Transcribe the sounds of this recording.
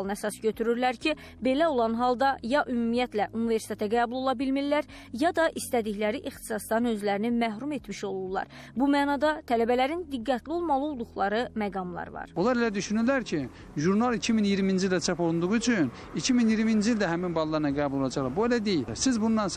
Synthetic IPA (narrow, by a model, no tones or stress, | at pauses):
lˠɯnæsɑsɟø̞t̪ʰyɾyɾlæɾcʰi | be̞læo̞lˠɑnɦɑlˠd̪ɑjɑʔymumijæt̪ʰlæʔunive̞ɾsi̥t̪ʰet̪ʰæɡæːbulˠo̞lˠɑbilmilːæɾ | jɑd̪ɑʔist̪æd̪içlæɾiʔixt̪ʰi̥sɑsd̪ɑnø̞zlæɾinimæhɾume̞t̪miʃo̞lˠullˠɑ̰ɾbumæːnɑd̪ɑt̪ʰælæbælæɾind̪iɡːæt̪lio̞lˠmɑlˠɯolˠd̪uχlˠɑɾɯmæɡɑmlˠɑ̰ɾvɑ̰ɾolˠɑɾelæd̪yʃynyɾlæɾcʰi | ʒuɾnɑlˠicʰiminijiɾmind͡ʒild̪æt͡ʃʰɑpo̞lˠund̪uʁuyt͡ʃʰyn | icʰiminjiɾmiːnd͡ʒiild̪æɦæminbɑlˠlˠɑɾɯnɑɡæːbulo̞lˠɑd͡ʒɑχlˠɑbuelæd̪ejilsizbunːɑn